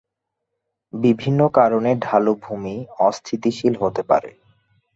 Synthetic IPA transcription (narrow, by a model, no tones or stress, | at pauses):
bibʱinːokaɾoneɖʱalobʱumiɔst̪ʰit̪iʃilɦot̪epa̰ɾḛ